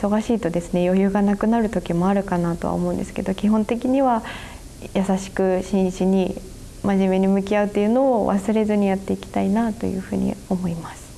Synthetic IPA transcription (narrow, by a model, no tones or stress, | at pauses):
iso̞ɡaɕiːt̪o̞d̪e̞sɨne̞jo̞jɯ̟ːɡanakɯ̟naɾɯ̟t̪o̞kʲimo̞aɾɯ̟kanaːt̪o̞βa̰o̰mõ̞ɯ̃nd̪e̞sɨ̥ke̞d̪o̞kʲiɦõ̞nt̪e̞k̬ʲiɲ̟iβa | jasaɕi̥kɯ̟ɕĩɰ̃ɕiɲ̟i | maʑime̞ɲ̟imɯ̟kʲiaɯ̟t̪ːe̞jɯ̟no̞ːβa̰sɨɾe̞zɨɲ̟ijat̪ːe̞ikʲi̥t̪ainat̪o̞̰jɯ̟̰ːɸɯ̟̰ːɲ̟ḭo̞mo̞imasɨ̥